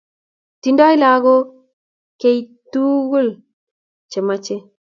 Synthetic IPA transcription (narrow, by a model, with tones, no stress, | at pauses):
ti˨ndɔ˦i˦la˨ɡo˦ | ke˦itu˦ɡu˦l | t͡ʃe˨ma˦t͡ʃe˦